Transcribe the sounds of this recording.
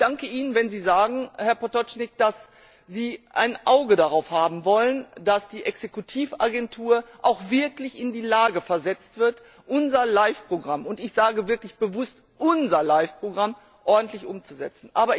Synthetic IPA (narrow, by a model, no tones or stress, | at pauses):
çd̥aŋkəʔiːnənvɛnziːzaːɡŋ̩hɛɐpʰɔtɔt͡ʃnɪk̚d̥as | ziːʔa̰ɪnʔaʊɡədaʁaʊfhaːbm̩vɔlənd̥asd̥iːʔɛksekutʰiːfaɡɛntʰuːɐʔaʊxv̥ɪɐklɪçɪndiːlaːɡəfɛɐzɛt͡stv̥ɪɐt | ʔʊnzɐlaɪfpʁ̥oɡʁamʊntɪçz̥aːɡəvɪɐklɪçb̥əvʊst | ʔʊnzɐlaɪfpʁ̥oɡʁam | ʔɔɐdn̩tʰlɪçʔʊmt͡suzɛ̰t͡sn̩ʔaːbɐ